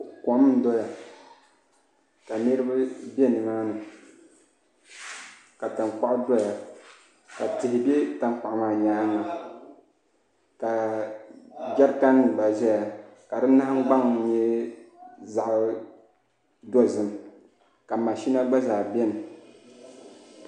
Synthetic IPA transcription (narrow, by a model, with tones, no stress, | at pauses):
kɔ˨˦m˦n̩˦dɔ˦ja˨ | ka˨nɨ˦ɾɨ˦bɨ˦bɛ˦nɨ˨maː˦nɨ˨ | ka˨ta˨ŋk͡pa˦ʔʊ˦dɔ˦ja˨ | ka˨tɨ˨hɪ˨bɛ˦ta˨ŋ˦k͡pa˨ʔmaː˨ɲa˨˦ŋa˨ | ka˨ | ɡɛ˦ɾka˦nɨ˨ba˨ʒɛ˦ja˨ | ka˨dɨ˦na˦hŋ˦ɡ͡ba˦ŋ˨˦ɲɛ˦ | za˨ʔ | dɔ˦zɨ˦m˨ | ka˨ma˨ʃi˦na˦ɡ͡ba˦zaː˨bɛ˦nɨ˨